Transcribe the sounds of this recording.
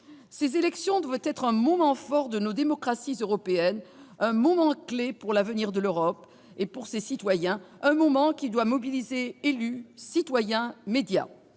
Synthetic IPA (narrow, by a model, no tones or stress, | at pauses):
sezelɛksjɔ̃d̪wavt̪ɛt̪χɛ̃mɔmɑ̃fɔʁd̪ənod̪emɔkχasizøʁɔpeɛnɛ̃mɔmɑ̃klepuʁlavəniʁd̪əløʁɔp | epuʁsesit̪wajɛ̃ɛ̃mɔmɑ̃kʲid̪wamɔbilizeelysit̪wajɛ̃med̪ja̰